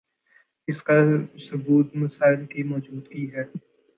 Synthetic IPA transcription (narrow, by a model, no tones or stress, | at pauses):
ɪskasʊbuːt̪mɐsaːɪlkimɔːd͡ʒuːd̪kiɦɛː